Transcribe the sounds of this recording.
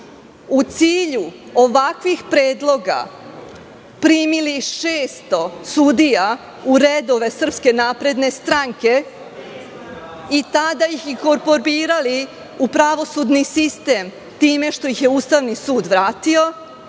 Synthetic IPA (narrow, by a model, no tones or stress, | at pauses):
ut̪siːʎu | o̞ʋakʋixpɾe̞ːd̪lˠo̞ɡa̰ | pɾiːmiliʃeːst̪o̞sud̪ija | uɾed̪o̞ʋe̞sr̩pske̞naːpɾe̞d̪ne̞st̪ɾaŋke̞ | it̪ad̪ajixiko̞ɾpo̞ɾbiːɾali | upɾaʋo̞sud̪nisist̪e̞m | t̪iːme̞ʃt̪o̞jixjeust̪aʋnisuːd̪ʋɾaːt̪io̞